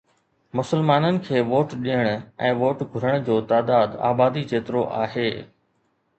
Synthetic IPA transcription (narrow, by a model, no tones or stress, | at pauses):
mʊsəlmaːnənɪ̆kʰeːʋoːʈɗijəɽ̃ʊɛ̃ːʋoːʈɡʱʊɾəɽ̃d͡ʑoːt̪aːd̪aːd̪a̰ːbaːd̪it͡ɕeːt̪ɾoʔa̰ːɦeː